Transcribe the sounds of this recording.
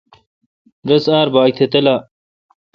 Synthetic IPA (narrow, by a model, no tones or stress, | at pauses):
ɾɐsaːɾbaːk̚t̪ʰet̪ɐlaː